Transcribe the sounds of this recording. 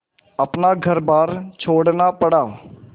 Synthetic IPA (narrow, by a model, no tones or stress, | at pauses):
əpnaːɡʱəɾbaːɾt͡ʃʰoːɽnaːpəɽaː